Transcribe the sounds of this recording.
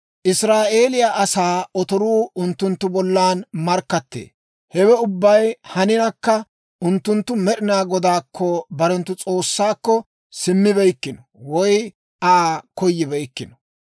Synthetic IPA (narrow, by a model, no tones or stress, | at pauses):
ʔɪsɾaːʔe̞ːlɪjaʔɐsaːɔt̪ɔɾuːʊnt̪ːʊnt̪ːʊbɔlːaːnmɐɾkːɐt̪ːḛː | hɛwɛʊbːɐjhɐnɪnɐkːɐ | ʔʊnt̪ːʊnt̪ːʊmɛɗɪnaːɡɔd̪aːkʰːɔbɐɾɛnt̪ːʊt͡sʼo̞ːsːaːkːɔ | sɪmːɪbɛjkːɪnɔ | wɔj | aːkɔjːɪbɛjkːɪnɔ̥